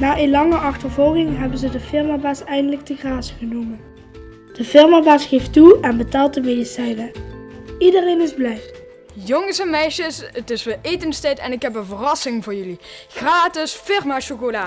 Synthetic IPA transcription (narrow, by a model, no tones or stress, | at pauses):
naːʔenlɑŋəʔɑχtəɹvɔlˠɣɪŋɦɛbənzədəfɪɹmaːbaːsɛjndələɡ̚dəɣraːzəɣənumən | d̥əfɪɹmaːbaːsχejftuɛnbətaːlˠt̚dəmedisɛjnə | idərejnɪzblɛj | joŋsɛnmɛjʃəsətɪsʋɪejtənstɛjtɛ̰nɪkɦɛpənvərɑsɪŋvʊːɹjɵli | ɣraːtɪsfɪrmaːʃokolaː